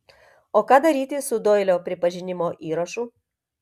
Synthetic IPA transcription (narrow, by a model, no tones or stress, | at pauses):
oːkɑːd̪ɐɾʲiːt̪ʲɪsʊd̪oɪlʲoːpʲɾʲɪpɐʒʲɪnʲɪmoːʔiːɾɐʃuː